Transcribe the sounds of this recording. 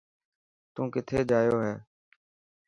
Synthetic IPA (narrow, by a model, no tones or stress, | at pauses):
t̪ũːkɪt̪ʰeːd͡ʒaːjoːɦɛː